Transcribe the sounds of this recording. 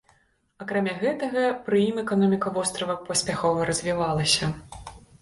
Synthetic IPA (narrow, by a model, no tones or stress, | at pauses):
ɐkɾamʲaɣɛt̪ɐɣɐpɾɨimɛkanɔmʲikɐvɔst̪ɾɐvɐpɐsʲpʲaxɔvɐɾɐzʲvʲivalˠɐsʲɐ